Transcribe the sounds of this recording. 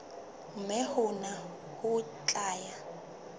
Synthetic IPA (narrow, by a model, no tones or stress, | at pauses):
mɛhʊna | hʊ | t͡ɬʼaːja